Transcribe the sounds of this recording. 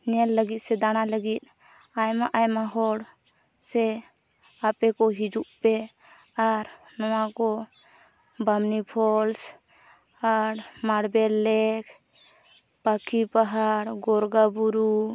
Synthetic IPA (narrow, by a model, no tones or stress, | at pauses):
nɛlːəɡit̪̚sɛd̪añaləɡit̪̚ | ajmaʔajmaɦɔɽ | sɛ | apɛkɔɦid͡ʒuʔpɛ | aɾ | nɔwakɔ | bamnipʰɔls | aɾmaɽbɛlːɛkʰ | pakʰipaɦaɽɡɔɾɡabuɾu